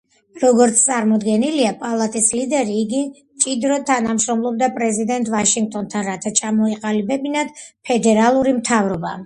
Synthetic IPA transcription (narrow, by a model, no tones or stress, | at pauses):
ɾɔɡɔɾt̪sʰt̪sʼaɾmɔd̪ɡɛniliapʼalˠat̪ʼislid̪ɛɾiːɡi | t͡ʃʼid̪ɾɔt̪ʰanamʃɾɔmlˠɔb̚d̪apʼɾɛzid̪ɛnt̪ʼvaʃiŋɡ̚t̪ʼɔnt̪ʰanɾat̪ʰat͡ʃʰamɔiqʼalibɛbinad̪̥pʰɛd̪ɛɾalˠuɾimt̪ʰavɾɔba̰